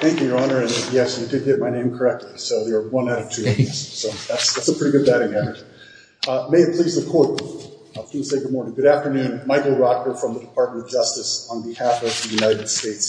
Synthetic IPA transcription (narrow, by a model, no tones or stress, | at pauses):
θæ̃ŋkjʉjə˞ɑnə˞ɨ̃njɛsjɨdɨd̚ɡɛt̚maɪnẽɪ̃mkʰə˞ɛk̚tʰˡlisoʊðə˞wʌ̃naɾʌv̥tʰʉɨ̃ɨssoʊðætsðætsəpʰɹ̥ɪɾiɡʊd̚bæɾɪ̃ŋæɾə˞ | meɪɨt̚pʰl̥izðɨkʰɔɹt̚ | kʰɨ̃nseɪɡʊd̚mɔɹnɪ̃ŋɡʊɾæftə˞nʉ̃nmaɪkl̩ˠɹɑkə˞fɹʌ̃mðədɨpʰɑɹt̚mə̃nʌvd͡ʒʌstɨsn̩bɨhæfʌvðɨjʉnaɪɾɨd̥steɪts